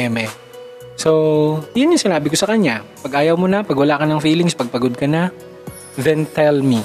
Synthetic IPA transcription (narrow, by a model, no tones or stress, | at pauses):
ɛmɛ | sojʊnjʊŋsɪnaːbɪkosɐkɐɲapɐɡʔaːjɐwmonɐpɐɡwɐlaːʔkɐnɐŋfiːlɪŋspɐɡ̚pɐɡod̪̚kɐnɐ | ðɛnt̪ɛlmi